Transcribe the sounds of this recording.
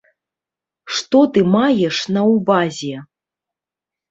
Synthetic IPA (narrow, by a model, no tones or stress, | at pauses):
ʂt̪ɔt̪ɨmajɛʂnɐwbazʲɛ